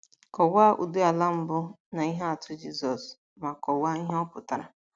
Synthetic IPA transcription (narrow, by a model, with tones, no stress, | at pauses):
kɔ˨wa˦ʔṵ˨dʊ˦a˨la˦m̩˦bʊ˦ | na˨i˦ɦe˦a˨tʰʊ˦d͡ʒi˦zɔ˨s | ma˨kɔ˨wa˦i˦ɦe˦ɔ˦pʊ˨ta˨ɾa˨